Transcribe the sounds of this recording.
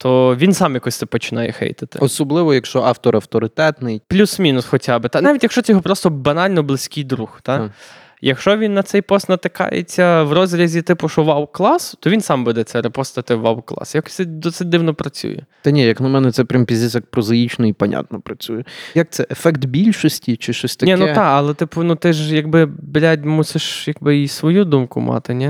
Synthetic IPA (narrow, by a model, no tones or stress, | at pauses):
t̪ʰɔʋʲinsɑmjɐkɔsʲt̪ɪpɔt͡ʃɪnɑjɛ̰xɛ̰jt̪ɪ̥t̪ɪ̰ɔsɔblˠɪʋɔjɐkʃɔɑft̪ɔɾɐwt̪ɔɾɪt̪ɛt̪nɪjplʲusmʲinʊsxɔtʲabɪt̪anɑʋʲitʲjɐkʃt͡ʃɔt͡s̪ʲɛjɔɦɔpɾɔst̪ɔbɐnɑlʲnɔblˠɪsʲkʲɪjd̪ɾuxt̪a | jɐkʃt͡ʃɔʋʲinːɐt̪sɛjpɔst̪nɐt̪ɪkɑ̰jḛt͡sʲːɐʋrɔzɾʲɐzʲit̪ɪpʊʃɔʋɑwklˠɑst̪ɔʋʲinsɑmbɛd̪ɛt͡s̪ʲɛɾepɔst̪ɐt̪ɪʋɑ̰wklˠɑ̰sjɐksɪd̪ɔsɪd̚ʲd̪ɪwnɔpɾɐt͡sʲṵjɛ̰t̪ɐnʲijɐknɐmɛnɛt̪sɛpʲɾʲampʲizʲisɐk̚pɾɔzɐit͡ʃnɔipɐnʲa̰t̪nɔpɾɐt͡sʲujɛjɐk̚t̪sɛʔefɛkt̪bʲilʲʃɔsʲtʲit͡ʃɪʃt͡ʃɔsʲt̪ɐnʲɛnut̪ɑɐlˠɛt̪ɪpʊnut̪ɪʒjɐɡbɪblʲatʲmusɪʃjɐɡ̚bɪisʋɔjud̪umkʊmʔɑ̰t̪ɪnʲɛ